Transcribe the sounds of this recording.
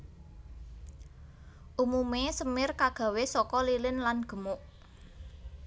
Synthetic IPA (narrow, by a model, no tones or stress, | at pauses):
ʔumumesəmɪrkaɡ̥a̤wesɔkɔlilɪnlanɡ̥ə̤mʊʔ